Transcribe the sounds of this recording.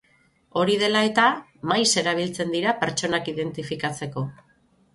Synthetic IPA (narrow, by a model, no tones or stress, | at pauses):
o̞ɾið̞e̞lae̞t̪a | majse̞ɾaβ̞ilt͡se̞nd̪iɾape̞ɾt͡ʃo̞nakiðe̞nt̪ifikat͡se̞ko̞